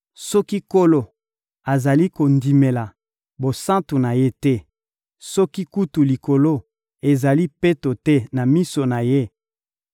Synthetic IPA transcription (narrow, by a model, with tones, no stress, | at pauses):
sɔ˦ki˦ko˦lo˦ | a˨za˨li˦ko˨ndi˨me˨la˨ | bo˨sã˦tu˨na˨je˦tɛ˦ | sɔ˦ki˦ku˦tu˨li˨ko˨lo˦ | e˨za˨li˦pe˦to˨tɛ˦na˨mi˦so˨na˨je˦